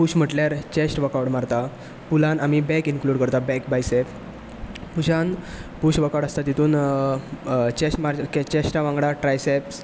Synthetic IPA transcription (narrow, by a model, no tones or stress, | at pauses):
puɕm̤əʈljaɾt͡ɕesʈʋəkawɽmaɾt̪a | pulãnamibɛkinkluɽkəɾt̪abɛkbajsep | puɕãn | puɕʋəkawɽast̪at̪it̪ʰuːn | t͡ɕesʈmaɾket͡ɕesʈãʋãŋɡɽaʈɾajseps